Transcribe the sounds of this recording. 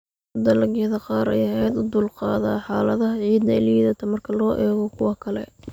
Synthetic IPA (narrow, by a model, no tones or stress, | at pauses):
d̪ɐlɐɡɛːðɐqɑːɾɛ̰jɐɦɛjd̪ʊd̪uːlqɑːðaːħɑːlɐðɐɦɐʕiːd̪nɐɪliðɐt̪ʰɐmɐrkʰɐlɔːʔɛːɣɔkʰʊwɑkʰɐlɛ̰